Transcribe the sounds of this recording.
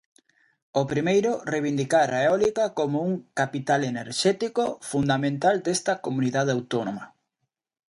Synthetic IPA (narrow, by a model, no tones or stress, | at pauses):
opɾimejɾʊreβ̞ind̪ikaɾaeeɔlikakomouŋkapit̪aleneɾʃɛt̪ikofund̪amẽnt̪ald̪est̪ɐkomuniðaðeawt̪onoma